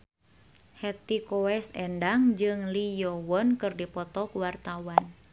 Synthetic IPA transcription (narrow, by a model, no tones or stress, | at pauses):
hɛt̪ikɔɛsɛndaŋd͡ʒɨŋlijɔwɔnkɨrdipɔt̪ɔkuwart̪awan